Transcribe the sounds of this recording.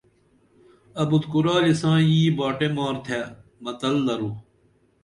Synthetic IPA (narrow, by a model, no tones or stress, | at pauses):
ɐbud̪kuɾaːlisãːjiːbaːʈemaːɾt̪ʰemɐt̪ɐld̪ɐɾuː